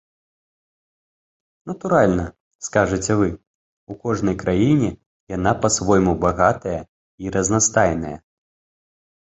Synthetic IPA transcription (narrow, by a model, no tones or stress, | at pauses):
nɐt̪uɾalʲnɐ | skaʐɨt͡sʲɛvɨ | ukɔʐnɐjkɾʔajinʲɛ | janapɐsvɔjmubaɣat̪ɐjɐ | iɾɐznast̪ajnɐjɐ̰